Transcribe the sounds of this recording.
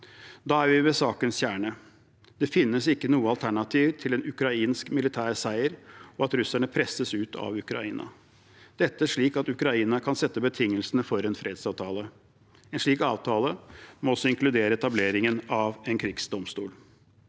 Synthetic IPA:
d̪ɑːæɾʋɪʋɛsɑːkənsçjæːɳə | d̪̥ɛfɪnːəsɪkːənuːəɑlt̪ʰæɳɑt̪ʰiːʋt̪ʰɪlɛnʉkɾɑiːnskmɪlɪt̪ʰæːɾsæɪəɾɔɑt̪ɾʉsæɳəpʰɾɛsəsʉːt̪ʰɑ̰ʋʉkɾɑ̰iːnɑ̰ | d̪̥ɛt̪ːəæʂɭiːkɑt̪ʉkɾɑiːnɑkʰɑnsɛt̪ːəbət̪ʰɪŋːəlsənəfɔɾɛnfɾeːd̪sɑːʋt̪ʰɑːlə | ɛnʂɭiːkɑ̰ːʋt̪ʰɑːləmɔɔsɔɪŋklʉd̪eːɾəɛt̪ɑbleːɾɪŋənɑʋɛnkʰɾɪɡsd̪ɔmst̪uːl

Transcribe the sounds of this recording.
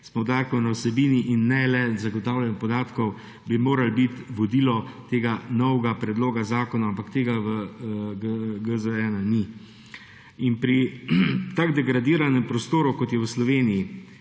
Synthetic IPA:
spɔwd̪aːtkɔwnawsɛbiːniʔinːɛlɛzaɡɔt̪aːwlɛnipɔd̪aːt̪kɔw | bimoːɾalbit̪ʋɔd̪iːlɔt̪eːɡanɔwɡapɾɛd̪loːɡazaːkɔnaampakt̪eːɡaʋəɡəɡəzəɾɛːnani | inpɾi | t̪aɡd̪ɛɡɾad̪iːɾanɛmpɾɔst̪oːɾukɔt̪jɛwslɔʋeːniji

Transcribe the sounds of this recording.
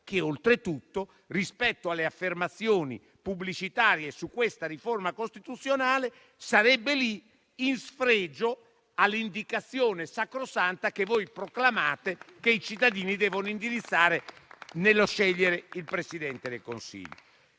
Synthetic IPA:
k̟eolt̪ɾet̪ut̪ːo | rispɛt̪ːoalːeafːermat̪sːjoːnḭ | publit͡ʃit̪aːɾjesukːwest̪aɾiformakost̪it̪ut̪sːjonaːle | saɾɛbːeli | insfɾeːd͡ʒo | alːind̪ikat̪sːjoːnesakɾosant̪akevojpɾoklamaːt̪ekeit͡ʃit̪ːad̪iːnid̪ɛːvonoind̪iɾit̪sːaːɾenelːoʃɛʎːeɾeilpɾesid̪ɛnt̪ed̪ḛlko̰nsḭʎːo

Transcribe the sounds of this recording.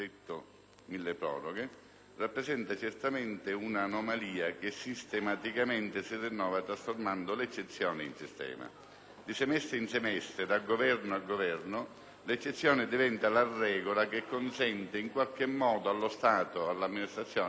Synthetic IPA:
et̪ːo | milːepɾɔ̰ːroɡe | rapːɾesɛnt̪at͡ʃert̪ament̪ɪunanomaliːak̟esːist̪emat̪ikament̪ɪsirːinːɔːvat̪ɾasformand̪olet͡ʃːet̪sːjɔːnɪinsist̪ɛ̰ːma̰ | d̪isemɛst̪ɾɪinsemɛst̪ɾɪd̪alɡovɛrnoalɡovɛrnʊ | let͡ʃːet̪sːjɔːnɪd̪ivɛnt̪alarːɛːɡolakekːonsɛnt̪ɪiŋkwalk̟ɪmːɔːd̪oalːost̪aːt̪oalːamːinist̪ɾat̪sːjɔː

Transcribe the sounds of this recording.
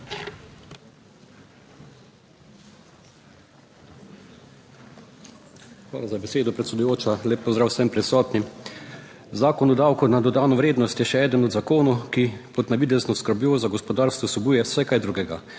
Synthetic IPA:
xʋa̰ːlazabɛseːd̪ɔpɾɛt̪sɛd̪ujoːt͡ʃaleːpːɔzd̪ɾaːwsɛmpɾisɔːt̪ni | zaːkɔnɔd̪awkunad̪ɔd̪aːnɔʋɾeːd̪nɔst̪jɛʃɛɛːd̪ənɔd̪zakoːnɔkipɔt̪naʋid̪ɛznɔskəɾbjoːzaɡɔspɔd̪aːɾst̪vʋɔsɔbuːjɛwsɛkajd̪ɾuɡɛɡa̰

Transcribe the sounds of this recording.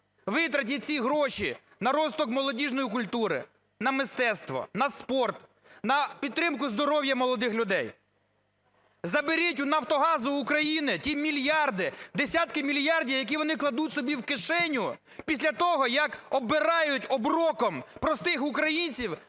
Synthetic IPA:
ʋɪt̪ɾɐt̬ʲit͡sʲiɦɾɔʃi | nɐɾɔst̪ɔkmɔlˠɔdʲiʒnɔjik̬ʊlʲt̪uɾɪ̰ | nɐmɪst̪ɛst̪ʋɔ̰nɐspɔrt̪ | nɐpʲid̪̚t̪ːɾɪmkʊzd̪ɔɾɔwjɐmɔlˠɔd̪ɪxlʲʊd̪ɛj | zɐbɪɾʲitʲʊnɐwt̪ɔɦɑzʊːkɾɐjinɪtʲimʲilʲjɑrd̪ɪd̪esʲat̪kɪmʲilʲjɑrdʲiwjɐk̬ʲiʋɔnɪklˠɐd̪utʲsɔbʲiwkɪʃɛnʲʊ | pʲisʲlʲɐt̪ɔɦɔjɐkɔbɪɾɑjʊtʲɔbɾɔkɔmpɾɔst̪ɪxʊkɾɐjinʲt͡sʲiw

